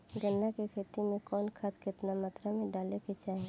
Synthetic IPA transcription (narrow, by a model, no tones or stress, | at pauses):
ɡənːakekʰeːt̪imẽkɔːnkʰət̪kɪt̪namaːt̪ɾamẽɖaːleket͡ʃaːɦe